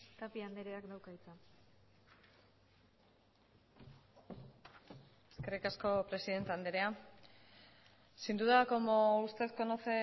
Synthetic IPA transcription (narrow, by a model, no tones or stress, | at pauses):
t̪apiand̪eɾeakd̪awkait͡sa | eske̞rikasko̞pɾe̞siðe̞nt̪eand̪eɾea | sind̪uðakomoust̪e̞tko̞not͡se̞